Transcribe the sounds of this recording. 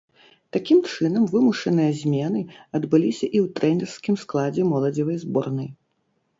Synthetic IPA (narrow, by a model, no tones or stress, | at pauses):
t̪akʲimt͡ʂɨnɐmvɨmuʂɐnɨjɐzʲmʲɛnɨɐd̪bɨlʲisʲɐʔiwt̪ɾɛnʲɛrskʲimsklˠad͡zʲɛmɔlˠɐd͡zʲivɐjzbɔrnɐj